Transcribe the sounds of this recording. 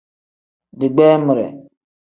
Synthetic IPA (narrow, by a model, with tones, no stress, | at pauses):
dɪ˨ɡ͡bɛː˦mɪ˨ɾɛ̰˨